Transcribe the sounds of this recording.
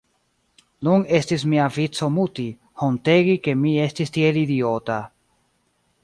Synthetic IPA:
nune̞stis̬miavit͡so̞muti | honte̞ɡike̞mie̞stistielidiota

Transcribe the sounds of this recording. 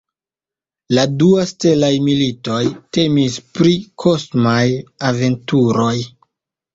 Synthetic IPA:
laduaste̞lajmilito̞jte̞mispɾikʰo̞smajave̞ntuɾo̞j

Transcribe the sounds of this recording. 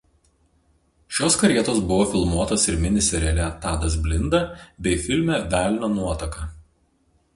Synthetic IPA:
ʃʲoːskɐɾʲiɛt̪oːsbʊʋoːfʲɪlˠmuɔt̪oːsɪɾmʲɪnʲɪsʲɛɾʲɛlʲɛt̪ɑːd̪ɐz̬ʲbʲlʲɪnd̪ɐbʲɛɪfʲɪlʲmʲɛʋʲæːˑlʲnʲoːnuɔt̪ɐkɐ

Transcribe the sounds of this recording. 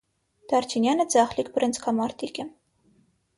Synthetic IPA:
d̪̥ɑɾt͡ʃʰinjɑnəd͡zɑχlikbɾɛnt͡sʰkʰɑmɑɾt̪ʰikʲə

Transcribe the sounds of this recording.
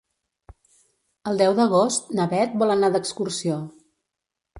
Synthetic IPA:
əlˠd̪ɛwd̪əɣ̞ost̪nəβɛt̪̚bɔlˠənad̪əkskursio

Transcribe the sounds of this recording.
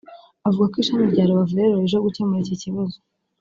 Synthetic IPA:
avuɡakiʃamibɟaːɾoβavuɾeɾɾoeʒoɡute̞meɾiciciβazo̥

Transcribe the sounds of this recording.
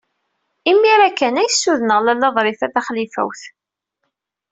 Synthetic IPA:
imːiɾækːænæjəsːuðənəʁlælːɑðˤɾˤɪfæθæχlifæ̰wθ

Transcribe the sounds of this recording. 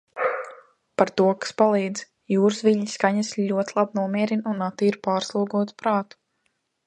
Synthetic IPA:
paɾt̪uɔkḁspalˠiːd̪z | juːɾsʋiʎʲɲiskaɲasʎʲuɔt̪ʲlˠabnuɔmiɛɾinunat̪ːiːɾpaːɾslˠuɔɡuɔt̪pɾaːt̪u̥

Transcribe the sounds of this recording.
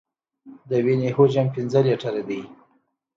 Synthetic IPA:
d̪əwenehod͡ʒampɪnzəleʈaɾad̪ij

